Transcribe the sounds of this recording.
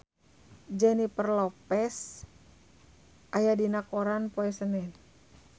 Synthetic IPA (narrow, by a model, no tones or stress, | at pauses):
d͡ʒɛnipərlɔpɛs | ʔajadinakoɾanpoɛsənɛn